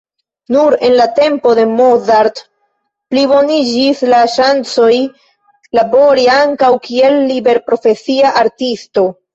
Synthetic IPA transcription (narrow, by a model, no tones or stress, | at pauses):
nuɾe̞nlate̞mpo̞de̞mozaɾt | plibo̞nid͡ʒislaʃant͡so̞j | labo̞ɾiaŋkawkie̞lːibe̞ɾpɾo̞fe̞siaʔaɾtisto̞